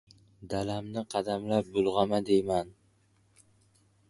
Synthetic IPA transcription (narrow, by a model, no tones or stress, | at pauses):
d̪alamnɪqʰɑd̪amlap̚bʊlˠʁɑmad̪ejman